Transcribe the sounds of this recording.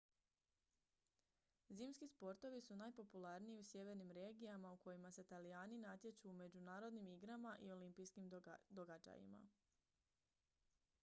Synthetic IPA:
ziːmskispo̞ɾt̪o̞ʋisunaːjpo̞pulˠaɾnijiusje̞ʋe̞ɾnimɾe̞ːɡijamauko̞jimase̞t̪aliaːninat̪jet͡ʃuːme̞d͡ʑunaːɾo̞d̪nimiɡɾamaʔio̞limpiskimd̪o̞ɡad͡ʑa̰jḭma̰

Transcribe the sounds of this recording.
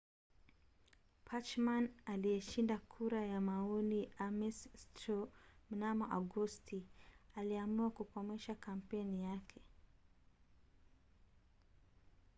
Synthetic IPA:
pʰat͡ʃmanalijɛʃindakʰuɾajamaɔliamistɾɔm̩namɔʔaɡɔstialiamuakukɔmɛʃakam̩pɛnijakʰɛ

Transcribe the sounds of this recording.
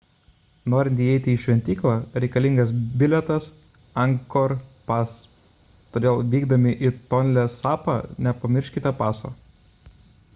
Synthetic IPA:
noːɾʲɪnt̪ʲiːɛɪt̪ʲɪiːʃʲʋʲɛnʲt̪ʲiːklˠɑːɾʲɛɪkɐlʲɪ̃ŋɡɐs̬bʲɪlʲɛt̪ɐs | ɐŋkoɾpɑs | t̪oːd̪ʲeːlˠʋʲiːɡd̪ɐmʲɪʔit̪ɔnʲlʲɛsɑːpɑnʲɛpɐmʲɪɾʲʃʲkʲɪt̪ɐpɑːso̰ː

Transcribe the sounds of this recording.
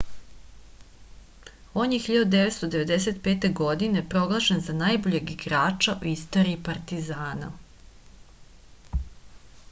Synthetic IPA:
o̞njexiʎad̪ud̪eʋet̪st̪od̪e̞ʋe̞d̪e̞se̞t̪peːt̪e̞ɡo̞d̪inepɾo̞ɡlˠaʃenzanajbo̞ʎe̞ɡiɡɾaːt͡ʃaʔuist̪o̞ɾiːpaɾt̪izaːna̰

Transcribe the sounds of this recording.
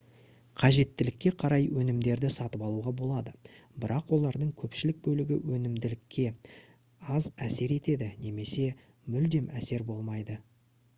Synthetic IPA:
qʰɑʒe̞t̪ːɪlɪkʲːe̞qʰɑɾɑjwʔɵnɪmd̪e̞ɾd̪ɪsɑt̪əpɑlˠuʁɑbo̞lˠɑd̪ə | bɪɾɑqwo̞lˠɑɾd̪əɴkʲʰɵpʃɪlɪk̚bɵlɪɡʲɪ̰wɵnɪmd̪ɪlɪkʲːe̞ | ɑzæse̞ɾe̞t̪e̞d̪ɪne̞me̞se̞ | mʏld̪e̞mʔæse̞ɾbo̞lˠmɑjd̪ə

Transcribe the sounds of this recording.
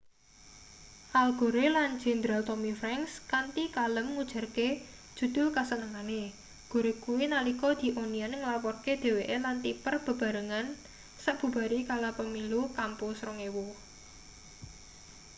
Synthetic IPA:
ʔalɡ̥o̤ɾelan̥d͡ʒ̥e̤nd̪ɾalt̪ɔmifɾaŋkskant̪ikaləmŋud̥ʒ̥a̤rke | d̥ʒ̥ṳd̪̥ʊ̤lkasənəŋane | ɡ̥o̤ɾekuwinalikɔd̪̥i̤ʔonianŋəlapɔrked̪̥e̤weʔelant̪ipərb̥ə̤b̥a̤ɾəŋan | saʔb̥ṳb̥a̤ɾikalapəmilukampusɾɔŋewo

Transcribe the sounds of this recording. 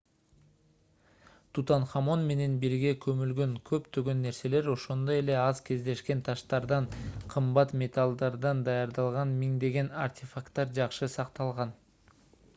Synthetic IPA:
t̪ʰut̪ɑnχɑmo̞nme̞ne̞nbiɾɡe̞kʰɵ̞mylɡø̞ŋkʰø̞pt̪ʰøɡø̞nːe̞ɾse̞le̞ɾo̞ʃo̞nd̪o̞je̞le̞ɑzkʲʰe̞zd̪e̞ʃke̞nt̪ʰɑʃt̪ɑɾd̪ɑɴqʰɯmbɑt̪mʲe̞t̪ʰalˠd̪ɑɾd̪ɑnd̪ɑjɑɾd̪ɑlˠʁɑnmiŋd̪e̞ɡe̞nartʲefakt̪ːɑɾd͡ʒɑqʃɯsɑqt̪ɑlˠʁɑn

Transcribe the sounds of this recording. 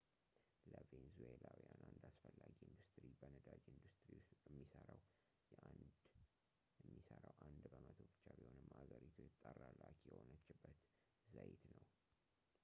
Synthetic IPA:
ləvenzuelawjanʔand̪asfəlːaɡiɨnd̪ust̪ʼɾibənəd̪ad͡ʒiɨnd̪ust̪ʼɾiɛmːisəɾaw | jɛʔand̪ | jɨmːisəɾawʔand̪bəmət̪ʰobɨt͡ʃːabiho̞nɨmaɡəɾit̪ʰujɪt̪ʼːərːalːakjɛhonət͡ʃːɪbːət̪ | zajit̪nəw

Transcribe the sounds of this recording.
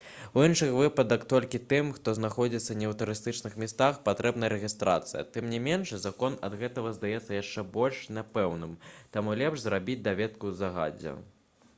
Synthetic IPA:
uinʂɨxvɨpɐd̪ɐkt̪ɔlʲkʲit̪ɨmxt̪ɔznaxɔd͡zʲit̪sːɐnʲɛwt̪uɾɨst̪ɨt͡ʂnɨxmʲist̪axpat̪ɾɛbnɐjɐɾɛɣʲist̪ɾa̰t̪sɨjɐ̰t̪ɨmnʲimʲɛnʂzakɔnɐd̪ɣɛt̪ɐɣɐzd̪ajɛt̪sːɐjaʂt͡ʂɛbɔlʲʂnʲapɛwnɨmt̪amulʲɛpʂzɾabʲid͡zʲd̪avʲɛt̪kuzaɣa̰d͡zʲɛ̰

